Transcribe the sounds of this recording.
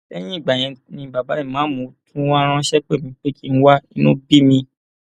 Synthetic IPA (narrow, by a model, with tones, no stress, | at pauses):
ɛ˦j̃ĩ˦i˦˨ɡ͡ba˨j̃ɛ̃˧nĩ˧˨ba˨ba˨˦ĩ˦˨mãː˨˦mũ˨˧˦tʰũ˦wã˦ɾ̃ã˧˦ʃɛ˦k͡pe˦˨mĩ˨˦k͡pe˦kʰi˦n̩˦wa˦i˦nũ˦bi˦mĩ˧